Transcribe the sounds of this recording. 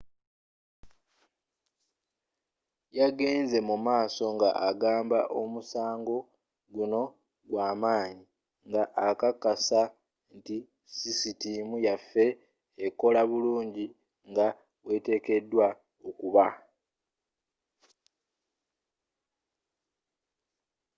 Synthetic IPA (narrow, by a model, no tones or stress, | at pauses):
jaɡeːnze̞mumaːso̞ŋɡa̰ʔaɡaːmba̰ʔo̞musaːŋɡo̞ | ɡuno̞ | ɡwaːmaːɲi | ŋɡaʔakakasa | nti | sisitimujafːe̞ː | ko̞laβuluːɲɟi | ŋɡa | we̞te̞ːke̞dːwa | okuβa